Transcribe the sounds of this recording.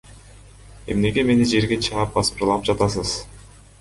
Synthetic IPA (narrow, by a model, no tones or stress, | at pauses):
e̞mne̞ɡe̞me̞nid͡ʒe̞ɾɡe̞t͡ʃʰɯʁɑp̚bɑspɯɾlˠɑp̚d͡ʒɑt̪ɑs̬ɯz̥